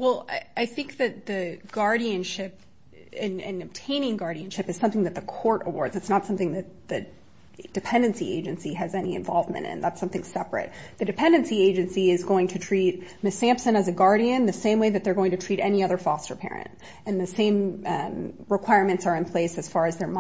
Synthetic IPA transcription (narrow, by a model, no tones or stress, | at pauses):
wɛlˠaɪθɪ̃ŋk̚ðɨt̪̚ðɨɡ̥ɑɹɾiɨ̃nʃɪp̚ | ɨ̃nɨ̃nɨb̥̚tʰẽɪ̃nɪ̃ŋɡɑɹɾiɨ̃nʃɨpɨz̥sʌ̃mθɪ̃ŋðɨt̪̚ðəkʰɔɹɾə̰wɔ̰ɹdzɨtsnətsʌ̃mθɪ̃ŋðɨt̪̚ðɨ | d̥ɨpʰɛ̃ndɨ̃nsiʔḛɪd͡ʒɨ̃nsiɨzɛniɨ̰̃ɱvɑ̰lˠvmɨ̰̃ñtɨ̰̃nðætsʌ̃mθɪ̃ŋsɛpɹɨ̰t̪̚ðɨdɨpʰɛ̃ndɨ̃nsieɪd͡ʒɨ̃nsiɪzɡoʊɪ̃ŋtʰɨtʰɹ̥it̚mɪsæ̃mpsɨ̃nɨzɨɡɑɹɾiɨ̃nðɨsẽɪ̃mweɪðɨt̪̚ðə˞ɡoʊɪ̃ŋtʰɨtʰɹ̥iɾɛniʌðə˞fɑstə̰˞pʰɛ̰ɹɨ̰̃nt | ɨ̃nðɨsẽɪ̃m | ɹɨkʰw̥aɪɹmɨ̃ntsə˞ɨ̃npʰl̥eɪsɨz̥fɑɹɨzðə˞m